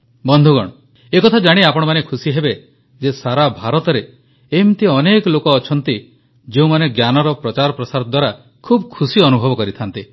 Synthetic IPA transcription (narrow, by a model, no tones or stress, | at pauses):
bɔnd̪ʱuɡɔ̰ɽ̃ɔ | ekɔt̪ʰad͡ʒaɽ̃iapɔɽ̃ɔmanekʰusiɦebe | d͡ʒesaɾabʱaɾɔt̪ɔɾe | emt̪iɔnekɔlokɔːt͡ʃʰɔnt̪i | d͡ʒeũmaneɡjanɔɾɔpɾɔt͡ʃaɾɔpɾɔsaɾɔd̪waɾa | kʰubkʰusiɔnubʱɔbɔkɔɾit̪ʰant̪i